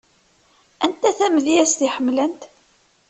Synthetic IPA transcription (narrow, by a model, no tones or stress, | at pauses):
ænt̪æθæmðijæst̪iħəmːlənt̪